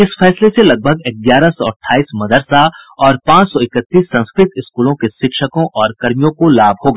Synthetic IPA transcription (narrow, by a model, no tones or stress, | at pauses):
ɪsfɛːsleselɐɡ̚bʱəɡɪk̚ɡjaːɾasɔːʈʰːaːiːsmɐd̪əɾsaɔːɾpãːt͡ʃsɔɪkət̪ːiːsːɐ̃nskɾɪt̪ɪskuːlõkeʃɪkʃəkõʔɔːɾkɐɾmijõkolaːbʱɦoːɡaː